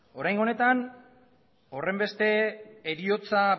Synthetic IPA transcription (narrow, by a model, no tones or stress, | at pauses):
o̞ɾajŋɡo̞ne̞t̪an | o̞re̞mbe̞st̪e̞ːɾio̞t͡sa